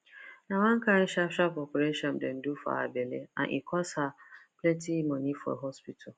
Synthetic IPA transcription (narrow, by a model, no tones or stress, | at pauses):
nãwãŋ̩kʰan̩ɕaɕᶣapɾɔkuɾeʃɔ̃mdɛn̩dufa̰a̰belḛnã̰ʔḭkʰɔsapʰlɛtʰimɔ̃nĩfɔ̰ɦɔspitʰal